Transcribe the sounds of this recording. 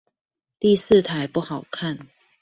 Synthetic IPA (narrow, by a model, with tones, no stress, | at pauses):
t̪i˥˧s̩˥˨t̪ʰa˨˦ɪpu˥˩xɑ˨˩ʊkʰa˥˨n